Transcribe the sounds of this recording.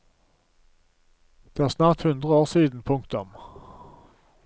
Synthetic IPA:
d̪̥eːæːʁsnɑːʁt̪hʉnd̪ʁəoːʁsiːd̪n̩pʰʊŋkt̪ʊm

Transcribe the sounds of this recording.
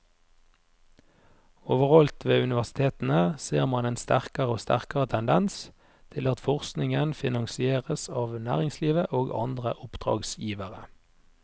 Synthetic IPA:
oːʋəʁɔlt̪ʋeːʉnɪʋæʁsɪ̥t̪ʰeːt̪n̩əseːʁmɑneːnst̪æʁkəʁəoːst̪æ̰ʁkɑʁət̪ʰɛnd̪ɛns | t̪ʰɪlɑt̪fɔʁsknɪŋənfɪnɑŋsɪeːʁəsɑːʋnæ̰ːʁɪŋsliːʋəʔoːɡɑ̰nd̪ʁəʔʊpd̪̥ʁɑ̰ːɡsjiːʋəʁə

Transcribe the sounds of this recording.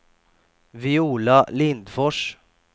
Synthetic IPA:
vɪuːlalɪnd̪fɔʂ

